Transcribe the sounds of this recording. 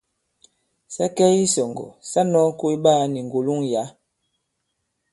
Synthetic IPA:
sa˦kɛ˦i˦sɔ˨ŋɡɔ̰˨sa˦nɔ˦ŋ˦ku˦i˦ɓa˦˨ni˨ŋ˨ɡu˨lu˦ŋja˨˦

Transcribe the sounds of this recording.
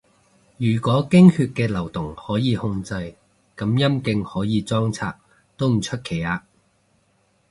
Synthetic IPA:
jyː˨˩kʷwɔː˨˥kɪ˥ŋhyː˧t̚kɛː˧lɐ˨˩wt̪ʊ˨˩ŋhɔː˨˥jiː˨˧hʊ˧ŋt͡sɐ˧j | kɐ˨˥mjɐ˥mkɪ˧ŋhɔː˨˥jiː˨˧t͡sɔː˥ŋt͡sʰa̰ː˧k̚ | t̪o˥wm̩˨˩t͡ʃʰɵ˥t̚kʰe˨˩jaː˧

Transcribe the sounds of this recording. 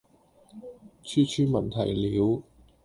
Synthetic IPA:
t͡ʃʰyː˥t͡ʃʰyː˥mɐ˨˩nt̪ʰɐ̰˨˩jliː˨˥w

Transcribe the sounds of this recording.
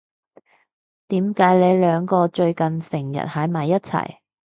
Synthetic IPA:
t̪iː˨˥mkaː˨˥jle˨˧jlœː˨˧ŋkɔː˧t͡ʃɵ˧ɥkɐ˨nsɪ˨˩ŋjɐ̰˨˩t̚ha˨˥jmɐː˨˩jːɐ˥t̚t͡sʰɐ̰˨˩j

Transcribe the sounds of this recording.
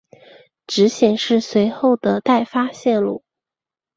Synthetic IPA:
ʈ͡ʂɻ̩˧˥ɕjɛ˨˩nʂɻ̩˥˩swe˧˥ɪxo˥˩ʊd̪ə˩t̪a˥˩ɪfa˥ɕjɛ˥˧nlṵ˥˩

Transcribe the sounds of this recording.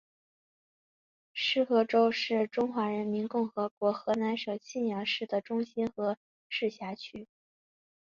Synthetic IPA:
ʂɻ̩˥˩xɤ˥ʈ͡ʂo˥ʊʂɻ̩˥˩ʈ͡ʂʊ˥ŋxwa˧˥ɻə˧˥nmi˧˥nkʊ˥˩ŋxɤ˧˥kwɔ˧˥xɤ˧˥na˧˥nʂɤ˨˩ʊt͡ɕʰi˥˩njɑ˧˥ʂɻ̩˥˩d̪ə˩ʈ͡ʂʊ˥ŋɕi˥nxɤ˧˥ | ʂɻ̩˥˩ɕja˧˥t͡ɕʰy˥

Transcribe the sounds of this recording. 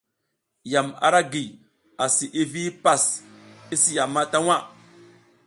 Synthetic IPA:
ja˨ma̰˨ɾa˦ɡi˨ | a˨si˨ʔi˦vi˦pa˦˨si˦si˦ja˨mːa˦ta˦wa˦

